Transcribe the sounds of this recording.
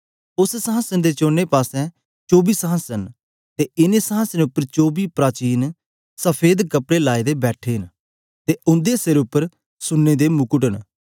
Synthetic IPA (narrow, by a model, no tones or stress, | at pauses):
ʊssəɦãsənd̪eːt͡ʃoːnːeːpaːsɛ̃ː | t͡ʃoːbiːsəɦãsən | t̪eːɪnesəãsənʊpːəɾt͡ʃoːbiːpɾaːt͡ʃiːn | səpʰeːd̪kəpɽeːlaːid̪eːbɛːʈʰeːɦn | t̪eːʔʊ̃nd̪eseɾʊpːəɾ | sʊnːeːd̪eːmʊkʊʈən